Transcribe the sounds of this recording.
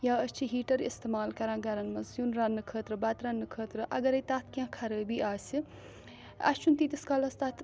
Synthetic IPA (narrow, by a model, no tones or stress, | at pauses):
jaːəst͡ʃʰiɦiːʈɐɾḭst̪emaːlkɐɾãːɡɐɾɐnmɐzjunɾaːnːɨkʰəːt̪ɾɨbɐt̪ɾanːɨkʰəːt̪ɾɨʔɐɡɐɾɐt̪aːt̪ʰkʲãkʰɐɾəːbiːʔaːsi | ɐ̰st͡ʃʰunt̪iːt̪iskaːlɐst̪at̪ʰ